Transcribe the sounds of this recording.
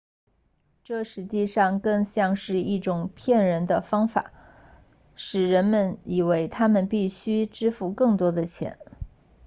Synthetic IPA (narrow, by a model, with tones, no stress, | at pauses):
ʈ͡ʂɤ˥˩ʂɻ̩˧˥t͡ɕi˥˧ʂɑ˥˧ŋkɤ˥˧ŋɕjɑ˥˧ŋʂɻ̩˥˧i˥˩ʈ͡ʂʊ˨˩ŋpʰjɛ˥˩nɻə˧˥nd̪ə˧fɑ˥ŋfa̰˨˩˦ | ʂɻ̩˨˩ɻə˧˥nmə˧ni˨˩we˧˥ɪt̪ʰa˥mə˨npi˥˩ɕy˥ʈ͡ʂɻ̩˥fu˥˧kɤ˥˩ŋt̪wɔ˥d̪ə˨t͡ɕʰjɛ̰˧˥n